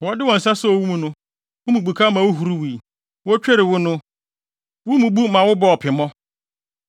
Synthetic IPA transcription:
wɔ˦dɪ˦wɔ˨n̩˨sa˦sɔ˦ɔ˨wu˦mũ˨nʊ̃˦ | wʊ˦mũ˨bu˨kʰa˦mã˨wʊ˦ɦu˨ɾu˦wi˨i˨ | wɔ˦t͡ɕᶣɛ˦ɾɪ˨wʊ˦nʊ̃˦ | wʊ˦mũ˨bu˦mã˨wʊ˦bɔ˦ɔ˨pʰɪ˨mɔ̃˦

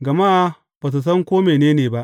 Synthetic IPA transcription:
ɡɐ˨ma˦ʔ | baː˨s̬u˨s̬ɐ˦ŋkʷoː˦meː˨neː˦neː˨ba˦ʔ

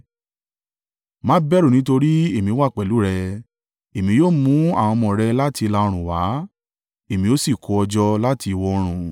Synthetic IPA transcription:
mãː˦bɛ˦ɾo˦˨nĩ˦to˧ɾi˦e˦˨mĩ˧˦wa˦˨k͡pɛ˨lu˨˦ɾɛ˧ | e˨mĩ˧joː˦mũ˦a̰˦˨w̃ɔ̃˧mɔ̃˨ɾɛ˧la˦tʰi˧la˧o˧ɾ̃ũ˨wa˨˦ | e˦˨mĩ˧o˦si˦˨ko˧˦ɔ˧d͡ʒɔ˧la˦tʰi˧i˧wɔ˧o˧ɾ̃ũ˨

